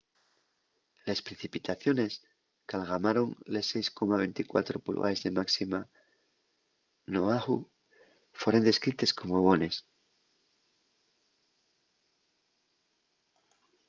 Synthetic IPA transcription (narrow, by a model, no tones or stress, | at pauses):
lespɾe̞θipit̪aθjo̞ne̞s | kalɣamaɾo̞ŋle̞se̞jsko̞maβe̞nt̪ikwa̰t̪ɾo̞pṵlɣa̰ezðe̞maksima | noaɣu | fweɾend̪e̞skɾit̪e̞sko̞mo̞βo̞ne̞s